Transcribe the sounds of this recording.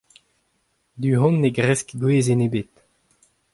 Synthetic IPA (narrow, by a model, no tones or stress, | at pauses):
d̪yɦɔ̃nːeɡʁɛskɡweːzenebet̪